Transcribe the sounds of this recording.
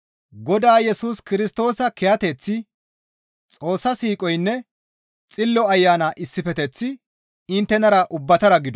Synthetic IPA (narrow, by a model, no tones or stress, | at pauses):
ɡɔd̪aːjɛsuːskɪɾɪst̪o̞ːsɐkɛjɐt̪ɛt͡sːɪ | t͡sʼo̞ːsːɐsiːkʼɔjnːɛ | t͡sʼɪlːɔɐjːaːnaːʔɪsːɪfɛt̪ɛt͡sːɪ | ɪnt̪ːɛnɐɾɐʔʊbːɐt̪ɐɾɐɡɪd̪ɔ